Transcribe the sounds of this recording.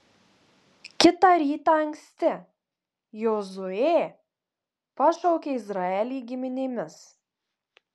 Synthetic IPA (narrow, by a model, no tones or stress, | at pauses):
kʲɪt̪ɑɾʲiːt̪ɑɐŋʲksʲt̪ʲɪ | jozʊeː | pɐʃɔʊkʲeːɪzɾɐɛlʲiːɡʲɪmʲɪnʲemʲɪs